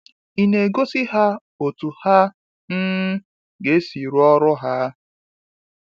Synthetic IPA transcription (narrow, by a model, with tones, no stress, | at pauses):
i˦ne˨ɡo˦si˦ɦa˦ | o˨tu˨ha˦ | n̩˦ | ɡe˦si˨ɾu˦ɔ˦ɾʊ˦ɦa˦